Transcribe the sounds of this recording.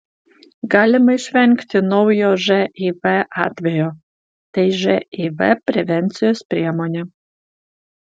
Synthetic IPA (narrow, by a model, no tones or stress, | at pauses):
ɡɑlʲɪmɐiʃʲʋʲæŋʲkt̪ʲɪnɔwjoʒɛivɛʔɑt̪ʲʋʲɛjo | t̪ʲɛjʒɛivɛ̰pʲɾʲɛʋʲɛnʲt̪t͡s̪ʲɪjoːspʲɾʲiɛmonʲɛ